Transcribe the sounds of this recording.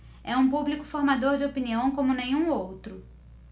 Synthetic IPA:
ɛũpublikʊ̥foɾmad̪oɾd͡ʒɪopiniɐ̃w̃kõmʊnẽj̃ũowt̪ɾʊ

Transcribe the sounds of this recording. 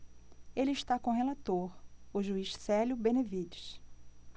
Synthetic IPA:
elɪɪʃt̪akõɦelat̪oɾʊʒuiʃsɛljʊbẽnevid͡ʒɪʃ

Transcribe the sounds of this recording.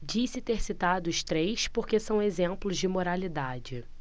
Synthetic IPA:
d͡ʒisɪt̪eɾsit̪ad̪ʊʊʃt̪ɾejspoɾkesɐ̃w̃ezẽmplʊzd͡ʒɪmoɾalid̪ad͡ʒɪ

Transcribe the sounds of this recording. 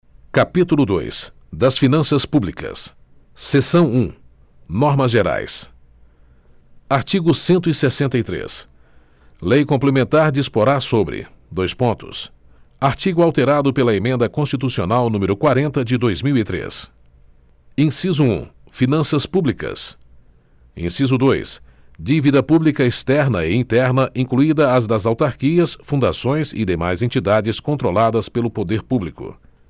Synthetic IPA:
kapit̪ulʊd̪o̰js | d̪ɐsfinɐ̃sɐspublikɐ̰sː | esɐ̃w̃ũ | nɔɾmɐzʒeɾa̰js | aɾt͡ʃiɡʊsẽnt̪ʊɪsesẽnt̪ɐjt̪ɾḛs | lejkõplemẽnt̪aɾd͡ʒispoɾaɾsobɾɪ̰ | d̪ojspõt̪ʊ̰s | aɾt͡ʃiɡʊawt̪eɾad̪ʊpelɐemẽnd̪ɐkõst͡ʃit̪usionawnũmeɾʊkwaɾẽnt̪ɐd͡ʒɪd̪ojzmiwit̪ɾḛs | ẽsizʊṵ̃ | finɐ̃sɐspublikɐ̰s | ḛ̃sizʊd̪ojs | d͡ʒivid̪ɐpublikɐest̪ɛɾnɐɪĩt̪ɛɾnɐʔĩŋkluid̪ɐːzd̪ɐzawt̪aɾkiɐsfũnd̪asõj̃zɪ̰d̪ema̰jzẽnt͡ʃid̪ad͡ʒɪskõnt̪ɾolad̪ɐspelʊpod̪eɾpublikʊ̰

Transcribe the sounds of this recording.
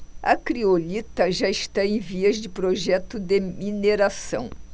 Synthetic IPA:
ɐ̰kɾiolit̪ɐʒaɪst̪aẽj̃viɐzd͡ʒɪpɾoʒɛt̪ʊd̪emineɾasɐ̰̃w̃

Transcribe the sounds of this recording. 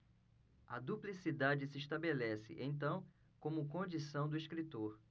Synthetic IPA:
ɐd̪uplisid̪ad͡ʒɪsɪiʃt̪abelɛsɪ̰ʔẽj̃t̪̬ɐ̃w̃ | kõmʊkõd͡ʒisɐ̃w̃d̪ʊiʃkɾit̪oɾ

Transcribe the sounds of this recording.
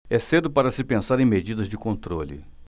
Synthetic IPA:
ɛsed̪ʊpaɾɐsɪpẽsaɾẽj̃med͡ʒid̪ɐzd͡ʒɪkõnt̪ɾolɪ̰

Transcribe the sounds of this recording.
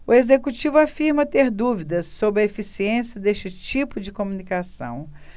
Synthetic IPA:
ʊezekut͡ʃivʊafiɾmɐt̪eɾd̪uvid̪ɐsːobɾɪɐefisiẽsiɐd̪est͡ʃɪt͡ʃipʊd͡ʒɪkomunikasɐ̰̃w̃

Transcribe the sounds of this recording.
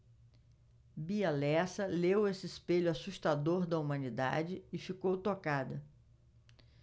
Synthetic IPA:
bialɛsɐlewesɪɪspeʎʊasust̪ad̪oɾd̪ɐumɐ̃nid̪a̰d͡ʒɪɪfikowt̪okad̪ɐ

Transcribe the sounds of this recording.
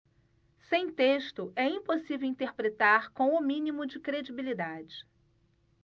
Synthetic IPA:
sẽj̃t̪eʃt̪ʊʔɛĩposivewĩnt̪eɾpɾet̪aɾkõw̃ʊmĩnimʊd͡ʒɪkɾed͡ʒibilid̪ad͡ʒɪ

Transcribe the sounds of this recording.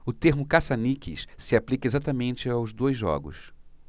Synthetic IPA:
ʊt̪eɾmʊkasanikɪ̰ʃsɪaplikɐezat̪amẽnt͡ʃɪawzd̪ojzːɔ̰ɡʊ̰s

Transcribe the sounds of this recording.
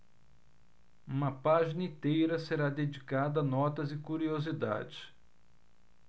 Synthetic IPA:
ũmɐpaʒinɐĩt̪ejɾɐseɾad̪ed͡ʒikad̪ɐːnɔt̪ɐzɪkuɾiozid̪a̰d͡ʒɪs

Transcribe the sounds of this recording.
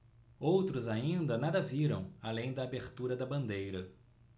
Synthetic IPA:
owt̪ɾʊzaĩnd̪ɐnad̪ɐviɾɐ̃w̃alẽj̃d̪ɐːbeɾt̪uɾɐd̪ɐbɐ̃nd̪ejɾɐ

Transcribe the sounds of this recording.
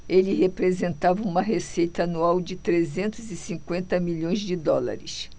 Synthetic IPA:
elɪɦepɾezẽnt̪avɐũmɐɦesejt̪ɐːnuawd͡ʒɪt̪ɾezẽnt̪ʊzɪsĩŋkwẽnt̪ɐmiʎõj̃zd͡ʒɪd̪ɔla̰ɾɪ̰s

